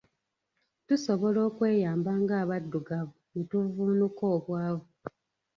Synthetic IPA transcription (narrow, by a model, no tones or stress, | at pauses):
tuso̞βo̞lo̞ːkwe̞ːjaːmbaːŋɡaːβadːuɡaβunituvuːnukoːβwaːβu